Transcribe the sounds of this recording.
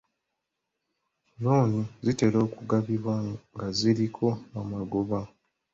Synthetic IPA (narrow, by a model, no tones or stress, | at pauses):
noːnizite̞ɾo̞ːkuɡaβiβwaŋɡaziɾikʰo̞amaɡo̞βa